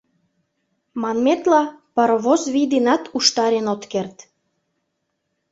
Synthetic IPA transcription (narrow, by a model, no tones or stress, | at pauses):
mɑnmet̪lɑpəɾβozβid̪enɑt̪uʃt̪ɑɾenot̪kert̪